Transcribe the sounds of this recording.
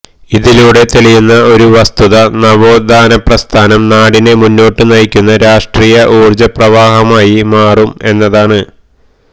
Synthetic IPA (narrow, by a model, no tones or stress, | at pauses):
iðiluːɽe̞t̪eɭijunːɐo̞ɾuʋɐst̪uðɐnɐbo̞ːd̪ʱaːnɐprɐst̪ʰaːnɐmnaːɽine̞munːo̞ːʈːɨnɐjkʲːunːɐɾaːʂʈriːjɐʔuːrd͡ʑɐprɐʋaːɦɐmaːjimaːrume̞nːɐðaːɳɨ